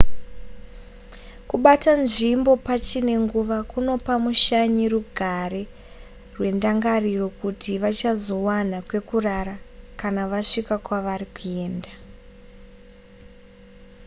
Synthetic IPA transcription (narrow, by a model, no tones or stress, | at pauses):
kuɓatanʐimbo̞pat͡ʃine̞ŋɡuʋakuno̞pamuʃaɲiruɡʱaɾe | rwe̞ndaŋɡariro̞kutiʋat͡ʃazo̞wanakwe̞kuraɾakanaʋaʂikakwaʋaɾikue̞ːnda